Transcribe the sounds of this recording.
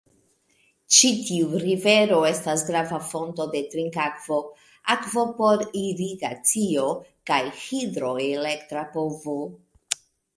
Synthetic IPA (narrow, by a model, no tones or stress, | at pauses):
t͡ʃitiuɾive̞ɾo̞e̞stas̬ɡɾavafo̞nto̞de̞tɾiŋkakv̥o̞ | akvo̞po̞ɾiɾiɡat͡sio̞kajhidɾo̞ele̞ktɾapovo